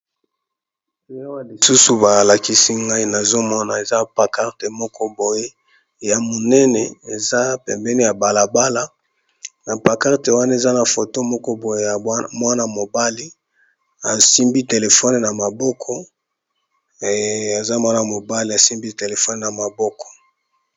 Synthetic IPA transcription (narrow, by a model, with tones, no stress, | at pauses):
i˨˦a˦wa˦li˨su˦su˨ba˨la˨ki˦si˦ŋɡa˦i˦na˨zo˦mɔ˦na˨e˨za˦pa˨ka˦ʁte˨mɔ˦kʰɔ˦bo˨je˦ | ja˨mo˨nɛ˦nɛ˨e˨za˦pɛ˨mbɛ˦ni˦ja˨ba˨la˨ba˦la˨ | na˨pa˨ka˦ʁte˨wa˦na˦e˨za˦na˨fo˨to˦mɔ˦kɔ˦bo˨je˦ja˨mwa˦na˨mo˨ba˦li˦ | a˨si˦mbi˦te˨le˨fɔ˦n˨na˨ma˨bɔ˦kʰɔ˦˨ | a˨za˦mwa˦na˨mo˨ba˦li˦a˨si˦mbi˦te˨le˨fɔ˦n˨na˨ma˨bɔ˦kɔ̥˨